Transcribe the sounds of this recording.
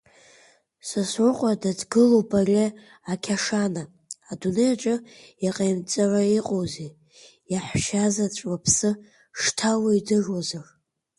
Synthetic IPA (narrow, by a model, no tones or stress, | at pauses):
sasrʷʊqʷʼadadɡɨlobʼarʲe | akʲʰaʂanaː | dunejaʈ͡ʂʼɨjaqʼajmt͡sʼaraiqʼowze | jaħʃazat͡ɕʷʼwapʰsɨ | ʂtʰawaidɨʐwazar